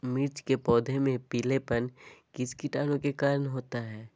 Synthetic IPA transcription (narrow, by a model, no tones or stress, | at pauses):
mɪɾt͡ʃkepɔːd̪ʱemẽpiːlepənkɪskiʈaːnõkekaːɾənɦoːt̪aɦɛː